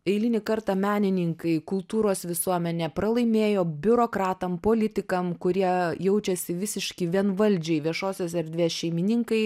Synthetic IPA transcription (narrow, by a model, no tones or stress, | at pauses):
ɛɪlʲɪnʲɪkɐɾt̪ɑmʲæːnʲɪnʲɪŋkɐɪkʊlˠt̪uːɾoːsʋʲɪsuɔmʲɛnʲɛpɾɐlˠɐɪmʲeːjoːbʲʊɾoːkɾɑːt̪ɐmpoːlʲɪt̪ʲɪkɐmkʊɾʲiɛjɛʊt͡ʃʲɛsʲɪʋʲɪsʲɪʃʲkʲɪʋʲiɛnʋɐlʲd͡ʒʲɛɪʋʲiɛʃoːsʲoːs̬ɛɾʲd̪ʲʋʲeːsʃʲɛɪmʲɪnʲɪŋkɐɪ